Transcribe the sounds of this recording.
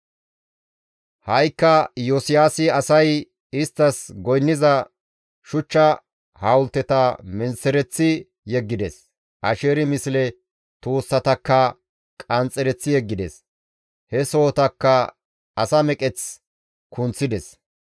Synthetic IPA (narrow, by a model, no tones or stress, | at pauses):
hɐjkːɐjɔsɪjaːsɪɐsɐj | ɪst̪ːɐsɡɔjnːɪzɐ | ʃʊt͡ʃːɐ | haːwʊlt̪ːɛt̪ɐmɛnsɛɾɛt͡sːɪ | jɛɡːɪd̪ɛs | ʔɐʃeːɾɪmɪslɛ | t̪uːsːɐt̪ɐkːɐ | kʼɐnt͡sʼːɛɾɛt͡sːɪjɛɡːɪd̪ɛ̰s | hɛso̞ːt̪ɐkːɐ | ɐsɐmɛkʼɛt͡s | kʰʊnt͡sːɪd̪ɛs